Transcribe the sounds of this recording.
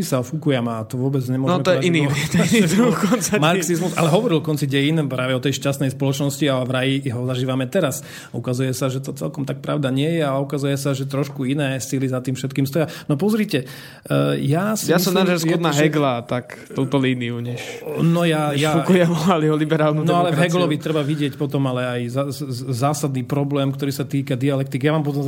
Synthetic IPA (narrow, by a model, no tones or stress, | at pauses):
isaɔfukujɛmat̪ɔʋʊɔbɛd͡zɲɛmʊɔʒnɔmɛt̪ɔjɛiniit̪iɾukɔnt͡sɛmaɾksizmusa̰lɛɦɔʋɔɾilkɔnt͡siɟɛjinɛpɾaːʋɛɔt̪ɛjʃcast̪nɛjspɔlɔt͡ʃnɔsciaɛvɾajiɦɔzaʒiːʋamɛt̪ɛɾas | aukazujɛsaʒɛt̪ɔt͡sɛ̰lkɔmt̪ak̚pɾaʊd̪aɲɪɛjɛaukazujɛsaʒɛt̪ɾɔʃkuinɛːsilizat̪iːmfʃɛt̪kiːmst̪ɔjanɔpɔzɾiːcɛ | jaːsjasɔnaɾaʒɛskɔd̪naɦɛɡlat̪ak | t̪uːt̪ɔliːniuɲɛʃnɔjajaukujɛmɔaliɦɔlibɛɾaːlnunɔalɛvɦɛɡlɔʋit̪ɾɛbaʋiɟɪɛcpɔt̪ɔmalɛajzazaːsad̪niːpɾɔblɛːmkt̪ɔɾiːsat̪iːkad̪ialɛk̚t̪ikjaʋaːmpɔt̪̬ɔm